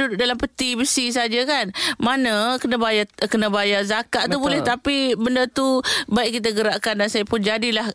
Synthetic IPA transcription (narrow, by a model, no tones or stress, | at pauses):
udʊʔ̚dalampət̪ibəsis̬ad͡ʒakanmanə̃kənabajakənəbajazakaʔt̪ubolɛht̪apibəndərt̪ubaiʔkːit̪̬aɡəɾaʔkandansajapʊnd͡ʒadilah